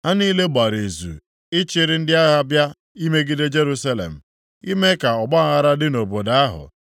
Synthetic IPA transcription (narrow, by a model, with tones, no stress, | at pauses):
ha˦niː˦le˦ɡ͡ba˨ɾe˨zṵ˨ | ɪ˦t͡ʃɪ˨ɾɪ˦n̩˦dɪ˦a˦ɣa˦bja˦ | i˦me˦ɡi˦de˦d͡ʒe˦ɾu˦sa˦lḛ˨m̩˨ | i˦me˦ka˨ɔ˨ɡ͡ba˦˨ɣa˦ɾa˦dɪ˦no˨bo˨da˦a˦ɦʊ̰˨